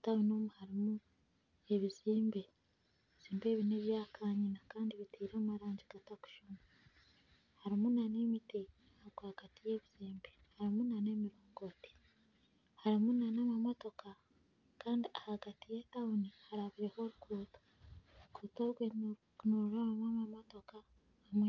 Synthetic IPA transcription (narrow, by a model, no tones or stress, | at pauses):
taonomuhaɾimu | e̞βiziːmbe̞ | eβiz̥iːmbe̞ːβineβjaːkʰaːɲinakaːndiβitʰiːɾaːmaɾaːɲɟiɡataku̥ʃuma | haɾimunanemiti | aɡahaɡ̥atije̞ːβiz̥iːmbe̞haɾimunane̞ːmiɾoːŋɡo̞te̥ | haɾimunanamamo̞to̞ka | kaːndiahaɡatijetaunihaɾaβiɾeho̞ɾukuːto̥ | ukuːtoːɡweɲ | noɾoɾaβamwamamoto̞ka | βamwe